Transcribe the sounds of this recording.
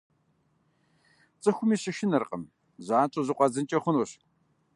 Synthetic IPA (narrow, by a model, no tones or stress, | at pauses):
t͡sʼɨxʷʊmiːɕɪʃɪnɐrqʼə̰m | zaːt͡ʃʼozɨqʷʼɑzɨnt͡ʃʼɐχʷʊnoɕ